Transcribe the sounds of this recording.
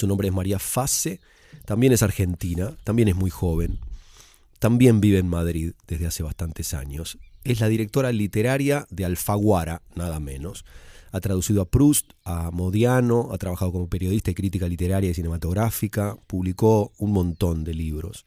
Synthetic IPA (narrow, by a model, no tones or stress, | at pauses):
sunõmbɾe̞emaɾiafase | t̪ambje̞nesaɾxe̞nt̪inat̪ambje̞nezmujxo̞βe̞n | t̪ambje̞mbiβeːnmaðɾiðd̪e̞ɦðease̞βast̪ant̪esa̰ɲo̞seslaðiɾek̚t̪o̞ɾalit̪eɾaɾjaðe̞alfaɣwaɾanaðamẽ̞̰no̞sat̪ɾaðusiðoapɾust̪amo̞ðjano̞a̰t̪ɾaβaxað̞o̞k̬omo̞pe̞ɾjo̞ðist̪aikɾit̪ikalit̪e̞ɾaɾjaisine̞mat̪o̞ɣɾafikapuβliko̞unmõ̞nt̪o̞nd̪e̞liβɾo̞̰s